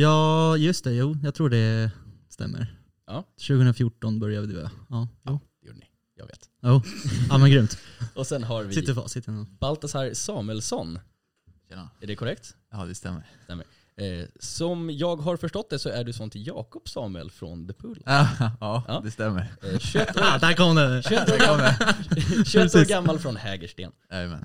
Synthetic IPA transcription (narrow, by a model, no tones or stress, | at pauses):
jɑːjɵst̪ɛjuːjɑɡt̪ʰɾuːɖɛ | st̪ɛ̰mːə̰ɾ | jʔɑːʃʉ̟ɡəɵnɾafjuʈːɔnbœɾjavɪd̪ʰʉːa̰ɑːjuːd̪ɛjṵːɖənɪ̰ | jɑ̰ːɡvḛːt̪ | juːaːmɛnɡɾʏmt̪ɔsɛnɦaɾvɪsɪt̪ːəɾfɑ̰sɪt̪ːənɔb̥alt̪asaɾsɑːmʉəlsɔnː | æɖɛkʰʊɾɛkt̪ | ɑːd̪ɛst̪ɛmːəɾst̪ɛ̰mːə̰ɾ | sɔmjɑːɡɦaɾfœʂʈɔt̪̚d̪ɛsɔæɖɵsɔnt̪ʰɪjɑːkɔpsɑːmʉə̰lfɾɔ̰nd̪ɛpʰɵlːɑːɑːd̪ɛst̪ɛmːəɾɕɛt̪ːd̪ækʰɔmd̪ɛʃɵɛt̪ːoːɡamːa | ɕʉɛt̪ːoːɾɡamːalfɾɔnhɛːɡəʂʈḛːn | ɑːjmɛ̰n